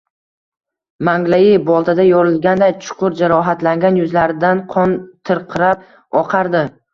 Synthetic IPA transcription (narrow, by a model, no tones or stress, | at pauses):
maŋɡlaɪbɒlˠt̪ʰad̪ajɒɾɪlˠɡʲand̪ajt͡ʃʰʊ̥qʰʊɾd͡ʒaɾɒɦat̪laŋɡʲanjʊzlaɾɪd̪anqʰɒnt̪ʰɨɾqʰɨɾap̚ | ɒqʰɑɾd̪ɪ